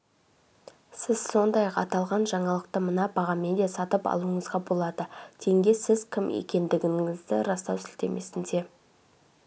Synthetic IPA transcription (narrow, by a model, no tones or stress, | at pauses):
sɪz̥so̞nd̪ɑjɑqɑ̰t̪ɑlˠʁɑnʒɑɴɑlˠəq̚t̪əmənɑbɑʁɑmed̪esɑt̪əpɑ̰lˠuəɴəzʁɑbo̞lˠɑd̪ət̪ʰe̞ŋɡʲe̞sɪzkʲʰɪmḛkʲe̞nd̪ɪɡʲɪɪzd̪ɪ̰ɾɑst̪ɑwsɪlt̪e̞̰mʔe̞sɪnd̪e̞